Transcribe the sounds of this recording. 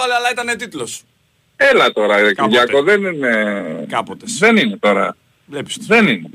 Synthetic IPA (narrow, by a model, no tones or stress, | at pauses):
ɐleɐlɐit̪ɐnet̪it̪los | elɐt̪o̞ɾɐkðʝɐkoðe̞ninekɐpot̪ðenine̞t̪o̞ɾɐ̰ | lepi̥sðenine